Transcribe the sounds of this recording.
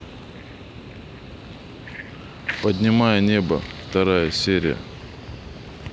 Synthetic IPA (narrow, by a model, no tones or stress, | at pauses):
pədʲnʲɪmajənʲebə̰ft̪ɐɾajəsʲeɾʲɪ̰jə̰